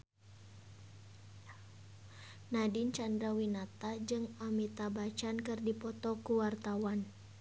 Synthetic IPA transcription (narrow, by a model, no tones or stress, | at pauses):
nadint͡ʃand̪ɾawinat̪ad͡ʒɨŋamit̪abat͡ʃankɨrdipɔt̪ɔkuwart̪awan